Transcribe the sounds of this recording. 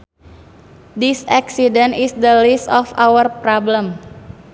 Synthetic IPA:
d̪isaksidə̃nisd̪əlisɔfawərpɾɔblə̃m

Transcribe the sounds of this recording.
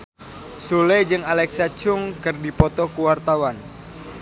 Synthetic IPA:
suled͡ʒɨŋalɛksat͡ʃʊŋkɨrdipɔt̪ɔkuwart̪awan

